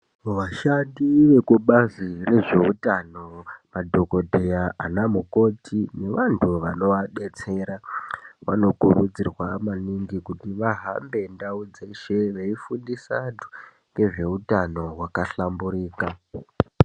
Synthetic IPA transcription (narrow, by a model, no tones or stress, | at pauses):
ʋaʃandiʋe̞kuɓazire̞ʐe̞utano̞madʱo̞ko̞dʱe̞jaʔanamuko̞tʰine̞ʋantʰuʋano̞ʋaɗe̞t͡se̞ɾaʋano̞kuɾud͡zirwamaniŋɡikutiʋaɦambe̞ndaud͡ze̞ʃe̞ʋeifundisadʱu̥ | ŋɡe̞ʐe̞utano̞wakaɬambuɾiːka